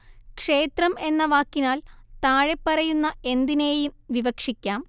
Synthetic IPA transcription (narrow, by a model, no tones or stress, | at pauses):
kʂe̞ːt̪rɐme̞nːɐʋaːkːinaːlt̪aːɻe̞pːɐrɐjunːɐe̞nd̪ine̞ːjumʋiʋɐkʂikʲːaːm